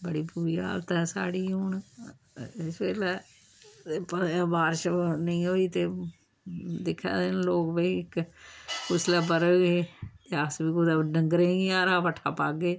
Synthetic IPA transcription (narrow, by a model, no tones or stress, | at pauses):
bəɽiːpuːɾiːa̰ːlt̪ɛːsa̰ːɽiːoːɳ | ɪsbeːlɛː | pəbaːɾʃnəĩːɦoːiːt̪eː | d̪ɪkʰːa̰ːd̪ɪnloːkbəiɪkkʊslaːpəɾəːɡeːaːsbiːkoːd̪aɖə̃ŋɡɾẽːɡiaːɾaːpəʈʰaːpaːɡeː